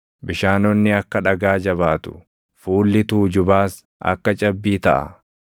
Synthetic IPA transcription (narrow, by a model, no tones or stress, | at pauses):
bɪʃaːnɔnːɪɐkːɐᶑɐɡaːd͡ʒɐβaːt̪ʊ̥̰ | fuːlːɪt̪uːd͡ʒʊbaːs | ɐ̰kːɐt͡ʃʼɐbːiːt̪ɐʔɐ̰